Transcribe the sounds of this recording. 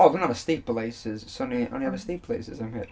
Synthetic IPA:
ɔdõnavəstiˑpleɪsɪz̥sõnio̰ʊ̃niavəstiˑpʰlˠeɪsɪzãɪ̃mḭʔ

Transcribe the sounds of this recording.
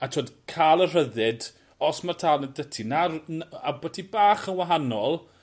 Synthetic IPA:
atʰoːdkʰaːlˠər̥əðɨd | ɔsmartʰaːlˠnədətʰinarnabətʰibaːχənwaɦanɔlˠ

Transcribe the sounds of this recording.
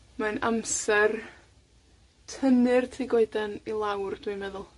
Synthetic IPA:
manamsɛr | tʰənɨrtʰiɡoɨdɛnilˠawrd̥wimɛðʊlˠ

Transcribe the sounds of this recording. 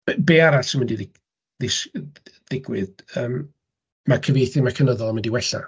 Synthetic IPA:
beːaɾasəmɪndiðɪ | ðɪsd̥ɪɡwɨðəːm | makʰəvejθɨmakʰənəðɔlˠmɪndiwɛɬa̰

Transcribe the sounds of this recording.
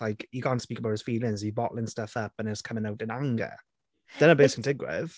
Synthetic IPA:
laɪkjəkʰɑ̃ːntspiːkəbaʊtɪz̥fiːlɪ̃ŋzibɔʔl̩ˠɪ̃nstəfəpə̃nɪtskʰəmɪ̃ŋaʊtɪ̃nãŋɡə̰ | ðə̃nəbeːskʰə̃ndɪɡwɪ̰ð̥

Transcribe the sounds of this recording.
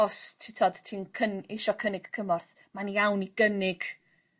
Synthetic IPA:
ɔstʰɪtʰɔd̥tʰiːnkʰənɪʃɔkʰənɪɡ̥kʰəmɔrθ | manijawniɡ̥ənɪɡ̥

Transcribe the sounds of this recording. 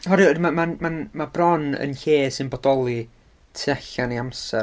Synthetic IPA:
ɦɔɾidmamamanmabrɔnə̰nɬeːsɪnbɔdɔlˠi | tʰɛɬaniamsɛ

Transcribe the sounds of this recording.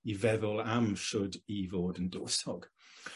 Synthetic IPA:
ivɛðəlˠamʃʊdiːvɔːdəndoːsɔɡ̥

